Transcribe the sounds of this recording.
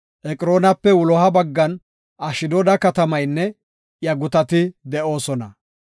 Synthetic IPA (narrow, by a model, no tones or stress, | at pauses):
ʔɛkʼɪɾo̞ːnɐpːɛwʊlɔɦɐbɐɡːɐn | ʔɐʃɪd̪ɔd̪ɐkɐt̪ɐmɐjnːɛ | jɐɡʊt̪ɐt̪ɪd̪ɛʔo̞ːsɔnɐ̰